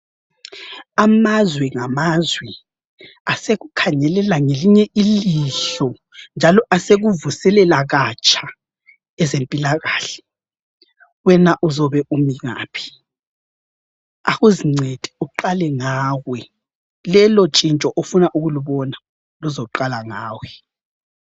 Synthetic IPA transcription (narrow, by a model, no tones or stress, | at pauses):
amazwɛŋamazwɛ | aseɣukʰaɲɛlɛlaŋeliɲɛʔiliɬɔ | nd͡ʒʱalɔʔaseɣuvusɛlɛlaɣat͡ʃʰʼa | ɛzempʼilaɣaːɬɛ̥ | wɛnaʔuzɔβɛʔumiɣa̰ːpʰi̥ | aɣuziŋ͡ǀʱed̥ʱʼi̥uǃalɛŋaːɣwɛ | lɛlɔt͡ʃʼint͡ʃʼɔʔofunaʔuɣuluβɔna | luzɔǃalaŋaːwɛ